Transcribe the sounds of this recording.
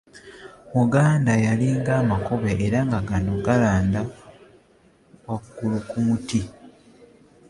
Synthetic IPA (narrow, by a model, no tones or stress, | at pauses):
muɡaːndajaliːŋɡaːmakoβeʔːɾaŋɡaɡanoɡalaːnda | wakukulukumuti